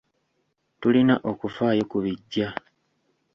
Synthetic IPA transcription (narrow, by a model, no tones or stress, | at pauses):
tulinaʔo̞kufaːjo̞kuβiɟːa